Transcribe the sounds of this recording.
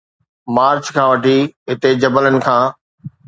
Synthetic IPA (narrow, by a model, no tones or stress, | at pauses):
maːɾt͡ɕkʰãːʋɐʈʰiɦɪt̪ed͡ʑɐbələnɪ̆kʰãː